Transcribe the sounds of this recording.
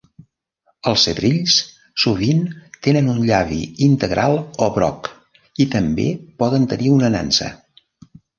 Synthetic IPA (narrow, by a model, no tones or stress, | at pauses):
əlˠsəðɾiʎs | suβ̞int̪enənunʎaβḭint̪əɣɾʔalˠoβɾɔ̰k | it̪əmbḛpɔðənt̪əniunəna̰nsə̰